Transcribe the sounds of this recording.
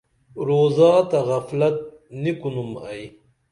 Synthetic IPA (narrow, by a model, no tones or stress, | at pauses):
ɾoːzɑːt̪ɐɣɐflɐt̪̚ | nikunuma̰j